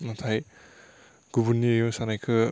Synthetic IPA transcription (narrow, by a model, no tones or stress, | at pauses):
natʰaj | ɡ̥ubunːiejosanajkʰɯ